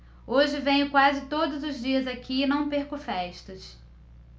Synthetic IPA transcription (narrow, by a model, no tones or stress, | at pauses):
oʒɪvẽj̃ʊkwazɪt̪od̪ʊzʊzd͡ʒiɐzakʰiɪnɐ̃w̃peɾkʊfɛʃt̪ɐs